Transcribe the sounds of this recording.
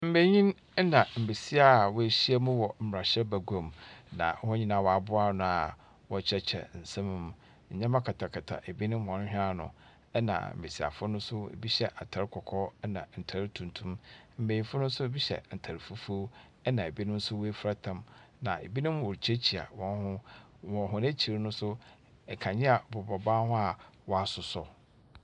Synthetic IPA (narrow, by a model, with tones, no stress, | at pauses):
m̩˨me˨ɲĩ˦n | ɛ˦nã˨m̩˨be˨si˦a˨wɔ˦e˨ɕi˦a˦mũ˦wɔ˨m̩˨m˨ɾa˨ɕɛ˦bæ˨ɡo˨mnã̰˨˦hɔ˦ɲĩ˦nã˨wɔ˨a˨bʊ˦a˦˨nʊ̃˨a˨ | wɔ˦t͡ɕʰɛ˦t͡ɕʰɛ̰˨n̩˨sɛ̃˦m̃˨m̃˨ | ɲ̩˨ɲã˦mã˦kʰa˨tʰa˨kʰa˨tʰa̰˨ʔe˨bi˦nʊ̃˦mhɔ̃˨n˦hᶣa˦nʊ̰̃˨ | ɛ˦nã̰˨m̩̰˨be˨si˨a̰˨fʊ˦nʊ̃˦sʊ˦ḛ˨bi˦ɕɛ˦ʔa˨tʰa˨ɾkʰɔ˨kʰɔ˦ɛ˦nã˨n̩˨tʰa˨ɾtʰũ˨ntʰũ˦mm̩˨mẽ˨ĩ˨˦fʊ˦nʊ̃˦sʊ˦bi˦ɕɛ̰˨n̩˨tʰa˨ɾi˨fu˦fo˦ | ɛ˦nã˨e˨bi˦nʊ̃˦n̩˦sʊ˦we˦fɾa˦tʰã˨m | nã˨e˨bi˦nʊ̃˦mwɔ˨ɾt͡ɕʰe˦t͡ɕʰi˨a̰˨wɔ̃˦hʊ̃˦ | wɔ̃˨ɦʊ̃˦næ̃˦t͡ɕʰi˨ɾnʊ̃˦sʊ˦ | ɛ˨kʰã˨ɲɛ̃˦a˨bɔ˨bɔ˨baː˦hʊ̃˦a˨wɔ˦a˨sʊ˨sɔ˦